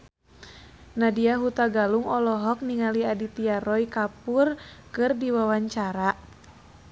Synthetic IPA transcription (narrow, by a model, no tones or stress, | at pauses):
nadiaɦut̪aɡaluŋɔlɔɦɔk̚niŋaliadit̪iaɾɔikapurkɨrdiwawaɲt͡ʃaɾa